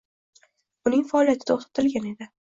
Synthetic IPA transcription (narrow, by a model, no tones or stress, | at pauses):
ʊnɪŋfaːlijat̪ʰɪ̥t̪ʰoχt̪ʰḁt̪ʰɪlɡʲane̞d̪ɪ